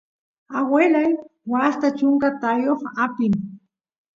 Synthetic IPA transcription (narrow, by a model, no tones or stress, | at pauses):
awelajwast̪at͡ʃʊŋkat̪ajoχapɪŋ